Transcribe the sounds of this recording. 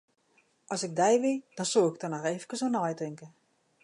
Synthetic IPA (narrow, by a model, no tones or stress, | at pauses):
ʔɔsɪɡ̚dɛjʋid̥ɔnsuɪk̚tɔnɔxeːvəkəsɔnɔjtɪŋkə